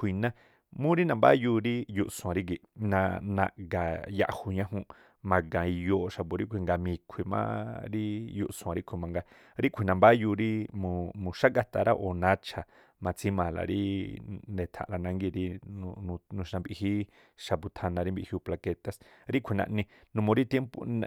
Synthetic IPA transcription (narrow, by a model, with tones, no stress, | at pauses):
kʷi˨nã˦ | mũ˦ɾi˦nã˧˨mba̰˦ju˧ɾi˦ju˧ʔsũ˨ã˨ɾi˦ɡi˨ʔnã˧nã̰˧ɡa˨ja̰˧ʔhu˧ɲã˦ɦũ˧ʔ | mã˧ɡã˨i˧jo˧ʔʃa˧pu˨˧ɾi˦kʷʰi˨ŋɡa˧mĩ˧kʷʰi˨mã̰˦ɾi˦jṵ˧ʔsũ˨ã˨ɾi˦kʷʰi˨mã˨ŋɡa˧ | ɾi˦kʷʰi˨nã˧mba˦ju˧ɾi˦mũ˧˨mũ˨ʃa˦ɡa˧t̪a˧˨ɾa˦ʔo˨nã˧˦t͡ʃʰa˨ | mã˨˧t͡si˦mã˨la̰˨ɾi˦nd̪e˨t̪ʰã̰˨ʔla˧nã˧ŋɡi˧ɾi˧nũ˧nũ˧nũ˧ʃna˧mbi˧hi˦ | ʃa˧˨pu˧t̪ʰa˧nã˧ɾi˦mbi˧hju˧pla˧ke˧t̪a˧sɾi˦kʷʰi˨nã̰˧ʔnĩ˧nũ˧mõ˧ɾi˦t̪je˦mpṵ˧